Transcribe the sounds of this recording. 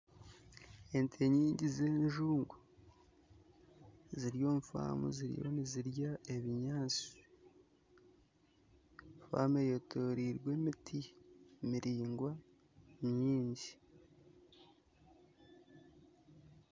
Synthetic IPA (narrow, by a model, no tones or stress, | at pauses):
entʰeɲiːɲɟizeːnʒuːŋɡu | ziɾijo̞ːɱfa̰mṵziɾḭjo̞̰niziɾjae̞βiɲaːt͡si̥ | ɱfa̰ːmejotʰoɾiɾɡwe̞mitʰimiɾiːŋɡwa | ɲiːɲɟi